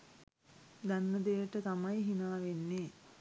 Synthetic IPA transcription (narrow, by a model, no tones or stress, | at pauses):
d̪anːəd̪ejəʈət̪amajɦinaːʋenːeː